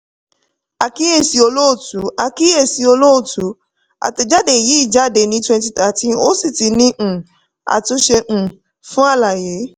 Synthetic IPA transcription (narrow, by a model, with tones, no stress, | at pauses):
a˨ki˦e˦˨si˨˧o˧lo˦o˦˨tu˨˦a˧ki˦e˦˨si˧˦o˧lo˦o˦˨tu˨˦ | a̰˨te˨˧d͡ʒa˦de˨ji˨˦i˦˨d͡ʒa˦de˨nĩ˧˦twɛ̃˧nt̬i˧ta˨tĩ˦no˦si˦˨ti˧˦nĩ˧˦ʔ̩˨ | a̰˨to˧˦ʃe˧ʔ̩˨ | fũ˦a˦˨la˨je˨˦